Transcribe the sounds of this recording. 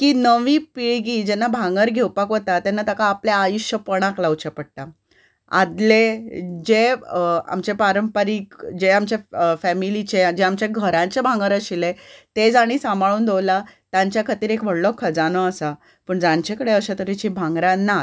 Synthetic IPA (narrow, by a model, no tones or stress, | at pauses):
kiːnəʋiːpiɭɡiːd͡ʑɛnːabʱãŋɡəɾɡʱewpakʋot̪at̪anːat̪akaːpljaːjuɕjəpəɽ̃aklawt͡ɕepəɽ̚t̪a | a̰d̪led͡ʑea̰mt͡ɕepaɾəmpɾiːkd͡ʑeamt͡ɕafæmilit͡ɕed͡ʑeamt͡ɕjaɡʱəɾãɲt͡ɕebʱãŋɡəɾəɕilet̪ed͡zaɽ̃iːsamʱaɭuːnd̪owlat̪jãɲt͡ɕjakʰət̪iːɾekʋəɽlɔkʰːəd͡zanɔasa | pəɳd͡zãɲt͡ɕekəɽeəɕet̪əɾit͡ɕĩbʱãŋɡɾãnːa